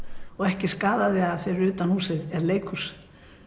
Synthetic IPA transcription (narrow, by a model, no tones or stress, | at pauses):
ɔɣɛhcɪskaːðaðɪaðfɪːɾɪɾʏːt̪anhuːsɪðɛɾleːjkʰus